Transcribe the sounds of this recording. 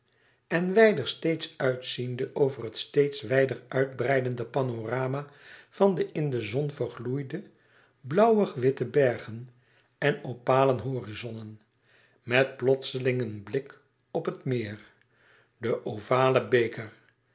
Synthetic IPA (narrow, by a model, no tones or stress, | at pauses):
ɛnʋɛjdəɹstejtsœɥtsindəʔowvərɦətstejtsʋɛjdərœɥd̚brɛjdəndəpɑnoraːmav̥ɑndəʔɪndəzɔnvəɹχlujdə | blʌwəχʋɪtəbɛɹχən | ɛnopaːlənɦoːrizɔnən | mɛt̚plɔtsəlɪŋənblɪk | ɔpətmɪːr | dəʔovaːləbejkər